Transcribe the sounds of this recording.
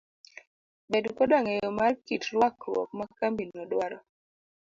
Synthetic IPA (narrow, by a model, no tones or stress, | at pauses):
bedkɔdaŋejɔmarkitɾwakɾwɔ̰k̚makambinɔdwaɾɔ